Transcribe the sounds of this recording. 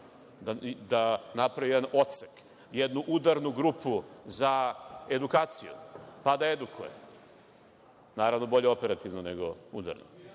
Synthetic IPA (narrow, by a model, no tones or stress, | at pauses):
d̪ad̪anapɾaijed̪anʔo̞t̪sek | jed̪nuʔud̪aɾnuɡɾupuzae̞d̪ukaːt̪sijṵpad̪aed̪ukʰṵjḛ | naːɾaʋnobo̞ʎe̞o̞pe̞ɾat̪iʋnoneɡoud̪a̰ɾno̰